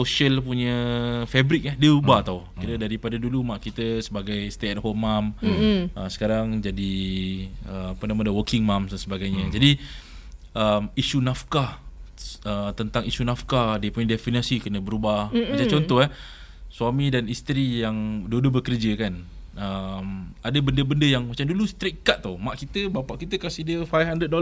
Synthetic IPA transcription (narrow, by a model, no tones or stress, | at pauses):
soʃəlpuɲə̃fɛbɾɪk̚adiəubat̪awkit̪ədaɾipadadulumaʔkit̪əsəbaɡajst̪eɛt̚homːaməsə̥kaɾaŋd͡ʒadi | əapənamə̃dəwəkɪŋmamansəbaɡajɲəd͡ʒadi | ʔəmisunafka | ət̪ənt̪aŋisunafkadiəpuɲadɛfinasikənə̃bəɾubaat͡ʃãt͡ʃɔnt̪ɔhɦa | swamĩdanist̪əɾijaŋdodobəkərd͡ʒəkan | əmadəbəndəbəndəjaŋmat͡ʃamdulust̪ɾiʔkat̪̚t̪ːumaʔkit̪əbapaʔkit̪əkasɪhdiəfajfhandəd̚do